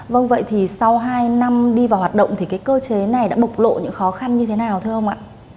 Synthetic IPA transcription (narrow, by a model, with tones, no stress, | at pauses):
və˧ŋvə̰˧˨jt̪ʰi˨˩sa˧wɦaː˧jna˧mɗi˧vaː˨˩whwaː˨˩ɗə̰˧˨wŋ͡mt̪ʰi˨˩kaː˨˦jkəː˧t͡ɕe˨˦na˨˩jɗa̰ː˧˥ɓə˨˩wk͡p̚lo̰˧˨ɲɨ̰˧˥ŋxɔ˨˦xa˧nɲɨ˧t̪ʰe˨˦naː˨˩wt̪ʰɨ˧əhə˧ŋ͡mʔa̰ː˧˨